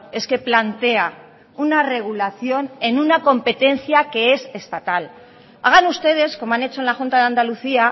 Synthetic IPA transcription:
e̞ske̞plant̪e̞a | unare̞ɣ̞ulaθjo̞ne̞nunako̞mpe̞t̪e̞nθjake̞e̞se̞st̪at̪al | aɣ̞anust̪e̞ð̞e̞sko̞moanet͡ʃo̞enlaxunt̪aðeand̪aluθia

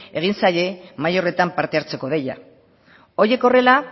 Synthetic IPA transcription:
e̞ɣ̞insaje̞majo̞re̞t̪ampaɾt̪e̞aɾt͡se̞ko̞ðe̞ja̰ | o̞je̞ko̞re̞la

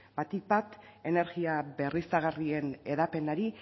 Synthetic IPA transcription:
bat̪ik̚bat̪ | e̞ne̞ɾɣiabe̞risaɣ̞arie̞ne̞ðape̞naɾi

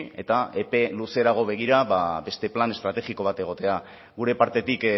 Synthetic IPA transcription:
e̞t̪aepe̞luse̞ɾaɣ̞o̞β̞e̞ɣ̞iɾaβabe̞st̪e̞plane̞st̪ɾat̪e̞ɣiko̞β̞at̪e̞ɣ̞o̞t̪e̞a | ɣuɾe̞paɾt̪e̞t̪ik

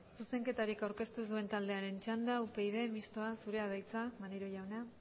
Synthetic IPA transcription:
suse̞ŋke̞t̪aɾikawɾke̞st̪usue̞nt̪ald̪e̞aɾe̞nt͡ʃand̪aupe̞iðe̞mist̪o̞asuɾe̞að̞ajt͡samaneɾoʝawna

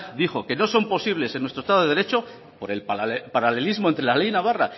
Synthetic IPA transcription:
d̪ixo̞ke̞no̞so̞mpo̞siβle̞se̞nwest̪ɾoest̪aðeɾet͡ʃo̞ | po̞ɾe̞lppaɾale̞lizmo̞nt̪ɾelalejnaβ̞ara

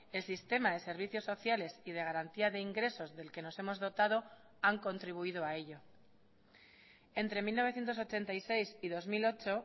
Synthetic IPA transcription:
e̞lsist̪e̞maðe̞se̞ɾβ̞iθjo̞sːo̞θjale̞sið̞e̞ɣ̞aɾant̪iaðe̞iŋɡɾe̞so̞zðe̞lke̞no̞se̞mo̞zð̞o̞t̪að̞o̞ | aŋko̞nt̪ɾiβ̞uið̞oae̞ʎo | e̞nt̪ɾe̞milnoβe̞θjent̪o̞sot͡ʃe̞nt̪aise̞jsiðo̞zmilo̞t͡ʃo̞

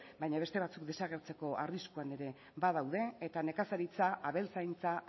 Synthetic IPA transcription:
bajɲaβ̞e̞st̪e̞βat͡suk̚d̪e̞saɣ̞e̞ɾt͡se̞ko̞ʔariskuane̞ɾe̞ | bað̞awðe̞ːt̪ane̞kasaɾit͡saʔaβe̞lt͡sajnt͡sa

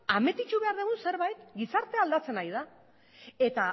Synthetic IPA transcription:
ame̞t̪it͡ʃuβe̞aɾðeɣunse̞ɾβajt̪ɡisaɾt̪e̞ald̪at͡se̞najða | e̞t̪a

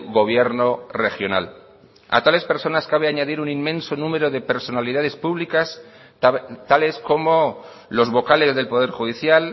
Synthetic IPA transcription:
ɣo̞β̞je̞ɾno̞re̞xjona̰l | a̰t̪ale̞spe̞ɾso̞naskaβ̞eaɲaðiɾunimmẽ̞nso̞nũme̞ɾo̞ðe̞pe̞ɾso̞naliðað̞e̞spuβlikas | t̪ale̞sko̞mo̞ | lo̞zβo̞kale̞zðe̞lpo̞ð̞e̞ɾxuðiθjal

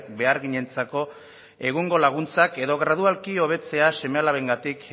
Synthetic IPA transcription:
be̞aɾɣiɲe̞nt͡sako̞ | e̞ɣ̞uŋɡo̞laɣ̞unt͡sake̞ðo̞ɣɾaðualkio̞β̞e̞t͡se̞ase̞me̞alaβe̞ŋɡat̪ik

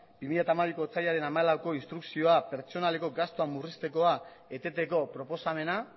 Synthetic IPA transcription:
b̥imiʎat̪amaβiko̞t͡saʎaɾe̞namaelawko̞inst̪ɾuksio̞ape̞ɾt͡ʃo̞nale̞ko̞ɡast̪oamːurist̪e̞ko̞a | e̞t̪e̞t̪e̞ko̞pɾo̞po̞same̞na

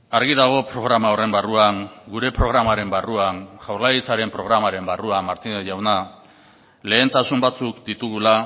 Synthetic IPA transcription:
aɾɣiðaɣ̞o̞pɾo̞ɣɾamao̞re̞mbaruaŋɡuɾe̞pɾo̞ɣ̞ɾamaɾe̞mbaruaŋʝawɾlajit͡saɾe̞mpɾo̞ɣɾamaɾe̞mbaruamaɾt̪inʝawna | le̞ːnt̪asumbat͡sukd̪it̪uɣ̞ula

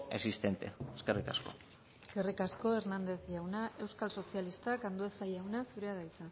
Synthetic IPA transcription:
esist̪e̞nt̪e̞̰eskerikasko̞̰ | eske̞rikasko̞e̞ɾnand̪e̞θʝawnaʔe̞wskalso̞sialist̪akand̪uesajawnasuɾeað̞ajt͡sa

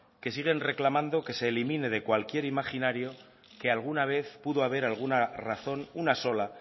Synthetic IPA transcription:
ke̞siɣ̞e̞nre̞klamãnd̪o̞ke̞se̞ːlimĩne̞ð̞e̞kwalkje̞ɾimaχinaɾjo̞ | ke̞alɣ̞unaβ̞e̞θpuðo̞aβ̞e̞ɾalɣ̞unaraθo̞nunaso̞la

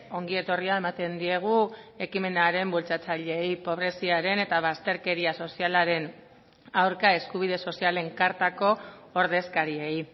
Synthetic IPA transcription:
o̞ŋɡie̞t̪o̞riae̞mat̪e̞nd̪ie̞ɣ̞ue̞kime̞naɾe̞mbult͡sat͡saʎe̞jpo̞β̞ɾe̞siaɾe̞ne̞t̪aβ̞ast̪e̞ɾke̞ɾiaso̞sialaɾe̞n | awɾkae̞skuβ̞iðe̞so̞siale̞ŋkaɾt̪ako̞ːɾð̞e̞skaɾiej

